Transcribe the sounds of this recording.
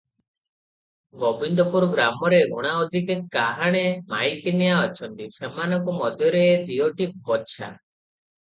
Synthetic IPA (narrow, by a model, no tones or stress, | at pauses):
ɡɔbind̪ɔpuɾɔɡɾamɔɾeɡo̰ɽ̃aɔd̪ʱikekːaɦaɽ̃emajkenijaɔt͡ʃʰɔnt̪isemanɔŋkɔmɔd̪ʱjɔɾeːd̪iɔʈip̚bɔtːt͡ʃʰa̰